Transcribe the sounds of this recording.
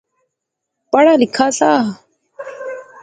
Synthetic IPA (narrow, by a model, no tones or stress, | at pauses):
paɽalɪkʰaːsaː